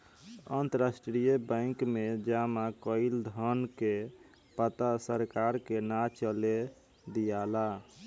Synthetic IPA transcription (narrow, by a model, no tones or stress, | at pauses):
ə̰nt̪əɾasʈɾijebə̃kmed͡ʒamakəɪld̪ʱənke | pət̪asəɾkaɾkenat͡ʃəle | d̪ijala